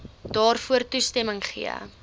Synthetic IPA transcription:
d̥ɑːrfuərtustɛməŋχḭə̰

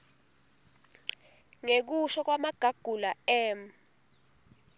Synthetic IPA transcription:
ŋek̬uʃɔk̬wamaɡ̥ʱaɡ̥ʱulaɛːm

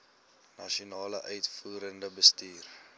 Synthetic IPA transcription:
nɐʃionɑːlə̰ʔœɥtfuːɾəndəbəstiːr

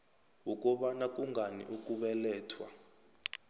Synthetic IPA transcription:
wuk̬ʼɔɓanak̬ʼuŋɡʱanḭʔuk̬ʼuɓɛlɛːtʰwa

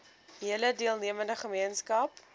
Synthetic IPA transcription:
ɦiələdiəlˠniəməndəχəmiənskɐp

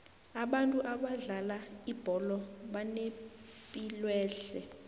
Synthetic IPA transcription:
aɓantʼuʔaɓaɮalaib̥ʱɔlɔɓanepʼilwɛːɬɛ

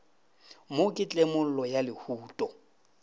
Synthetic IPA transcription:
mokʼɪt͡ɬʼemʊl̩lɔjalɪhuːtʼɔ

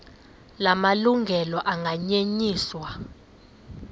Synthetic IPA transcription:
lamaluŋɡʱɛlɔʔaŋɡʱaɲeɲiːswa

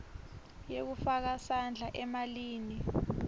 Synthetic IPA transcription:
jek̬ufak̬asand͡ɮʱaʔɛmaliːni

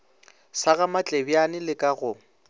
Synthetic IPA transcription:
saɣamat͡ɬʼebjanɪlɪkʼaɣʊ

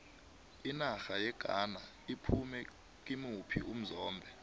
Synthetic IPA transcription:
inaxajɛɡ̥ʱana | ipʰumɛ | k̬ʼimupʰḭʔum̩zɔːmbʱɛ

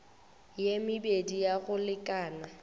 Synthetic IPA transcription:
jemɪbedijaɣʊlɪkʼaːna

